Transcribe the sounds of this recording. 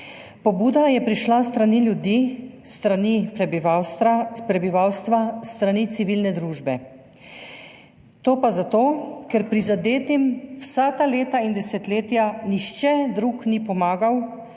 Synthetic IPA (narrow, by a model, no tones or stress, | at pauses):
pɔbuːd̪ajɛpɾiʃlast̪ɾaniljud̪ist̪ɾanipɛbiawspɾɛbiʋawst̪ʋast̪ɾanit̪siʋilnɛd̪ɾuːʒbɛ | t̪oːpazat̪oːkɛɾpɾizad̪eːt̪imwsat̪aleːt̪aind̪ɛsɛt̪leːt̪janixt͡ʃɛd̪ɾuknipɔmaːɡaw